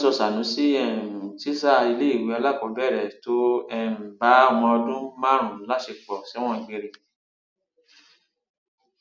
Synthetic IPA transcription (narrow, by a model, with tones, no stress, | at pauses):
sɔ˧sa˨nũ˨˦si˦ɛ̃˦˨ti˦sa˦˧˨i˧le˦i˦˨we˨˦a˧la˦˨kɔ˨˦bɛ˦˨ɾɛ˨to˦ɛ˦˧˨ba˨˦ɔ˧w̃ɔ̃˧ɔ˧dũ˦mã˦˨ɾ̃ũ˨˦la˦ʃe˧k͡pɔ˨si˨˦w̃ɔ̃˦˧˨ɡ͡be˧ɾe˧